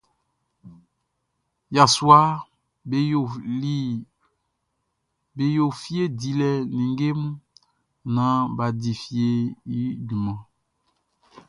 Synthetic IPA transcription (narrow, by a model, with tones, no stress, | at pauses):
ja˨swa˦˨˦ | be˨jo˨fi˦e˦di˨lɛ˨nĩ˨ŋɡe˦mu˦ | nã˨˦ba˨di˨fi˦e˦i˦du˨mɔ̃˨